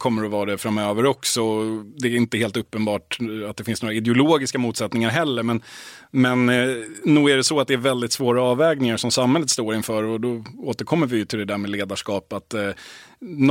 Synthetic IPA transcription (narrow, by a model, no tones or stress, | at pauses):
kʰɔmːəɾɔvɑːd̪ɛfɾamːøːvəɾɔksɔd̪ɛːɾɪnt̪əheːlt̪ɵpːənbɑːʈat̪̚d̪ɛfɪnsnoːɾaɪd̪ɛʊloːɡɪskamuːt̪sɛt̪nɪŋaɾɦɛlːəɾmɛn | mɛnː | uːɡæɖɛsɔat̪̚d̪ɛæɾvɛld̪ɪt̪svoːɾaɑːvɛːɡnɪŋaʂɔmsamhɛlːət̪st̪oːɾɪnfœːɾɔd̪ɔoːt̪əɾkʰɔmːəɾvɪjɵt̪ʰɪld̪ɛd̪æːɾmɛːleːd̪aʂkɑːpat̪